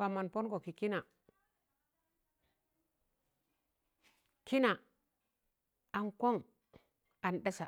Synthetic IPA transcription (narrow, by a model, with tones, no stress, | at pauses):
a˨ma˨npo˦nɡo˨ki˨ki˦na˨ | ki˦na˨ | a˨nko˦ŋ | a˨nɗa˦sa˨